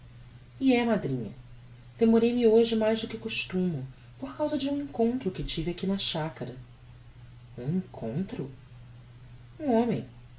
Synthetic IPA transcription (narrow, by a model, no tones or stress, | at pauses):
iɛmad̪ɾĩɲɐ | d̪̥emoɾejmɪoʒɪmajzd̪ʊkɪkuʃt̪ũmʊ | poɾkawzɐd͡ʒɪũẽŋkõnt̪ɾʊkɪt͡ʃivɪakinɐʃakɐɾɐ | ũẽkʰõ̰nt̪ɾʊ | ũõmẽj̃